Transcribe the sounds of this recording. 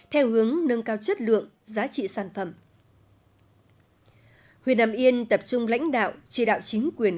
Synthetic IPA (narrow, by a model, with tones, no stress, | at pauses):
t̪ʰɛ˧whɨ˨˦əŋnə˧nkaː˧wt͡ɕə˦˥t̚lɨ̰˧˨əŋ | zaː˨˦t͡ɕḭ˧˨saː˨˩nfə˨˩m | hwi˨˩ənːaː˨˩mʔi˧ənt̪ə˨˩p̚t͡ɕʊ˧ŋ͡mla̰˧˥jŋ̟ɗa̰ː˧˨wt͡ɕḭ˧˩ɗa̰ː˧˨wt͡ɕï˨˦ŋ̟kwi˨˩ən